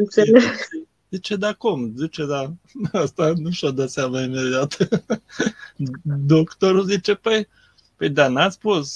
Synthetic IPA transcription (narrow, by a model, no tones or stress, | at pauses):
ɨnt̪seleɡ | zit͡ʃed̪akumzit͡ʃed̪aast̪anuʃad̪at̪sjamaimed̪iat̪ | d̪okt̪oɾuzit͡ʃepəj | pəjd̪anat̪sʲpus